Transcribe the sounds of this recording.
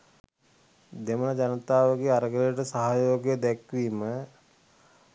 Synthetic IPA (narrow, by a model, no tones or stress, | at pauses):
d̪eməlad͡ʒanət̪aːʋəɡeːaɾəɡələəʈəsaɦajoːɡjəd̪ɛkʋiːmə